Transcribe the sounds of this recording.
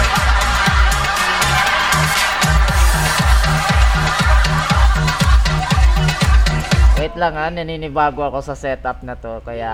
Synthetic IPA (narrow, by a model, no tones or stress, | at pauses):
ɛt̪lɐŋanːɐninɪbaːɡoɐko̞sɐsɛt̪ʔɐp̚nɐt̪o̞kɐja